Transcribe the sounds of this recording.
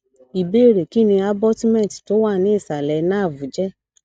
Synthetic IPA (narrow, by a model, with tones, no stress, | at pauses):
i˨be˦˨ɾe˨ki˦˨nĩ˧a˦bɔ˦ti˦mɛ̃˦˨ti̥˨to˨˦wa˦˨nĩ˨˦i˦˨sa˨lɛ˧˦nã˦˨vu˨˦d͡ʒɛ˦